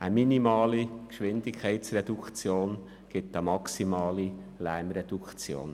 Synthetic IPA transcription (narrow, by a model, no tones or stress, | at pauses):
əminimɑːlikʃʋɪnd̪ɪkʰχɛɪtsrɛd̥̪ukʰt͡sjoːn | ɡ̥ɪt̪əmɑksimɑːlilæːmɾɛd̥̪ukt͡sjo̰ːn